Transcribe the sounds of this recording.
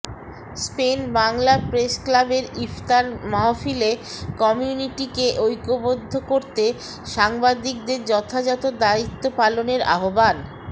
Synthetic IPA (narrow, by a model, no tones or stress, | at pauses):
spenbaŋlapɾesklabeɾift̪aɾmaɦofilekɔmiuniʈikeʔojkobod̪ʱːokoɾt̪e | ʃaŋbad̪ik̚d̪eɾd͡ʑɔt̪ʰad͡ʑat̪od̪ait̪ːopaloneɾa̰ɦoban